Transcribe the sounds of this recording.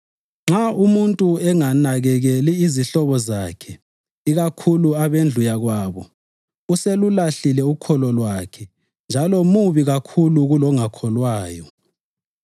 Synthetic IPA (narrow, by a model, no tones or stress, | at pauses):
ŋ͡ǁaʔumuntʼuɛŋanaɣɛɣɛliiziɬɔβɔzakʰɛ | iɣakʰuluaβend͡ɮʱujaɣwaːβɔ | uselulaɬilɛukʰɔlɔlwakʰɛ | nd͡ʒʱalɔmuβiɣakʰuluɣulɔŋakʰɔlwaːjɔ